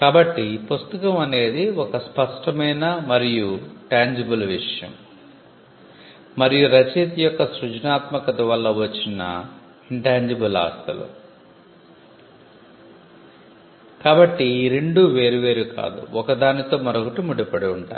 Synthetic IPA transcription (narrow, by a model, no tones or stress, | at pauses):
kaːbɐʈːipust̪ɐkɐmɐne̞ːd̪iɔkɐspɐʂʈɐmɐjnɐmɐɾijuʈaːɲd͡ʒibɐlʋiʂɐjɐ̰m | mɐɾijuɾɐt͡ʃiːt̪ijɔkːɐsɾud͡ʒnaːt̪mɐkɐt̪ɐʋɐlːɐʋɐt͡ʃːinːɐ̰ | iɳʈaːɲd͡ʒibɐla̰ːst̪ɐlṵ | kaːbɐʈːiɾe̞ɳɖuʋe̞ːɾuʋe̞ːɾuka̰ːd̪ṵɔkɐd̪aːnit̪o̞ːmɐɾokɐʈumuɽipɐɽiuɳʈa̰ːj